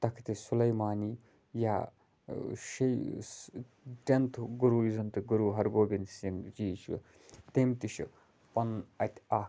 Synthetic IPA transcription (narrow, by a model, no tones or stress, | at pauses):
t̪ɐkʰt̪isulɐjmaːniː | jaː | ʃɐj | ʈent̪ʰɡuɾuːizɐnt̪ɨɡuɾuːɦɐɾɡoːbʲinsind͡ʒiːt͡ʃʰ | t̪emt̪iʃḭ | pɐnɐt̪ʲʰaː